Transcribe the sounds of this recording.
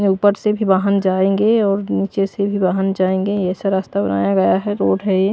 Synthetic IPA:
uːpəɾsebʱibaːɦand͡ʒaːẽːŋɡeɔːɾniːt͡ʃesebʱibaːɦand͡ʒaːẽːŋɡejɛːsaɾaːst̪abɐna̰ːjaɡɐjaɦɛɾoːʈɦɛje

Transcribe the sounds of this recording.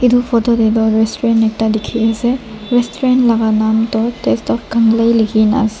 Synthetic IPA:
idupʰɔdɔdedɔɾestɔɾenɛk̚tadikʰieseɾestɾentlaɡanamtɔtestɔp̚ɡaŋlajliɡina̰s

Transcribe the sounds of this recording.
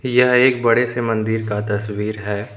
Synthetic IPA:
jɐɦeːk̚bɐɽesemɐ̃nd̪iɾkat̪ɐswiːɾɦɛː

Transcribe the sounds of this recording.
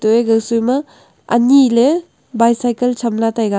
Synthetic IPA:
toeɡɐwsujmɐ | ɐ̰nile | bajsajkelsʰɐmlatajɡa

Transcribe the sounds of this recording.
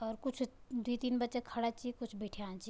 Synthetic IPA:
ɔːɾkʊt͡ʃʰd̪it̪iːnbɐtːʃekʰɐɽat͡ʃikʊt͡ʃʰbeːʈʰiãːnt͡ʃi

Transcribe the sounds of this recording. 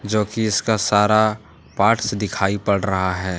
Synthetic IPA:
d͡ʒoːkiɪskasaːɾa | paːʈsed̪ɪkʰaːipɐɽɾɐɦaɦɛː

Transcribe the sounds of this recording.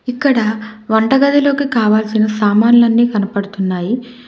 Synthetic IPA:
ikːɐɽɐʋɐɳʈɐɡɐd̪ilo̞ːkikaːʋaːlsinɐsaːmaːnlɐnːiːkɐnɐpɐɽut̪unːaːji

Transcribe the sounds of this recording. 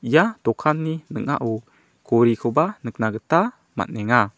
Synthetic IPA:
ijatɔkʰanːinəŋa̰ʔu | koɾikʰɔbanək̚naɡət̪a | ma̰nɛŋa

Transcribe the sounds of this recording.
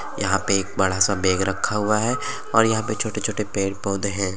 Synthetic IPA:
jɐɦãpeeːk̚bɐɽasabeːɡɾɐkʰːaɦʊaɦɛ | ɔ̰ːɾjɐɦãpet͡ʃʰoːʈet͡ʃʰoːʈepeːɽpoːd̪eɦɛ̃ː

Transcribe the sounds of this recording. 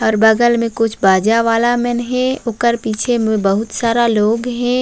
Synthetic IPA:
ɔːɾbəɡəlmẽkʊt͡ʃʰbaːd͡ʒaʋaːlamɛnɦɛ̃ʊkəɾpiːt͡ʃʰemẽbəɦʊt̪saːɾaloːɡɦɛ̃ː

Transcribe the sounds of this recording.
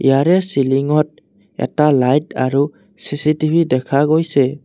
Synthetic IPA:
ḭjaɾesiliŋɔt̚ | ḛtalajt̚a̰ɾu | sisitibʱidekʰaɡɔjse

